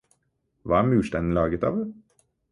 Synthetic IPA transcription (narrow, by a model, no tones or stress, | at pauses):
ʋɑːæmʉːʃt̪ɛnn̩lɑːɡət̪ɑ̰ːʋ